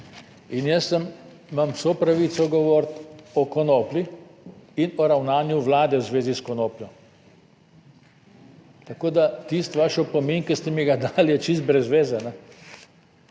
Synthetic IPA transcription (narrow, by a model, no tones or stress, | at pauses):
injəsːəm | mamwsopɾaʋit̪sɔɡɔʋɔːɾt̪ɔkɔnoːpli | inɔɾawnaːnjuʋlaːd̪ɛwzʋeːziskɔnoːpljɔ | t̪akoːd̪at̪ist̪ʋaʃɔpɔminkəst̪ɛmiɡad̪aljɛt͡ʃis̬t̪̚bɾɛzʋeːzɛnɛ